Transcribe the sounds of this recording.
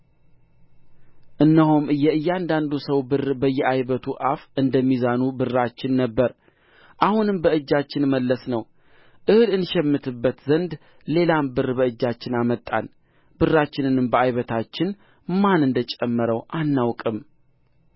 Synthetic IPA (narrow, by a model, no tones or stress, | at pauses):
ʔɨnːəhumɨjɛɨjːand̪and̪usəwbɨrbəjːɛʔajβət̪ʰuʔafɨnd̪əmːizanubɨrːat͡ʃːɪnːəbːəɾ | ʔahunɨmbəɨd͡ʒːat͡ʃːɪnməlːəsnəw | ʔɨhɨlɨnʃɛmːɨt̪ʰɨbːət̪zənd̪ | le̞lambɨrbəɨd͡ʒːat͡ʃːɪnamət̪ʼːa̰n | b̥ɨrːat͡ʃːɪnɨnɨmbəajβət̪ʰat͡ʃːɪn | manɨnd̪ət͡ʃʼɛmːɨɾəwʔanːawkʼɨm